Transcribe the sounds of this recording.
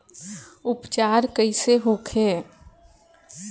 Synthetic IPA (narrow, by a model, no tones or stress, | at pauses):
ʊpt͡ʃaːɾkəiseɦoːkʰeː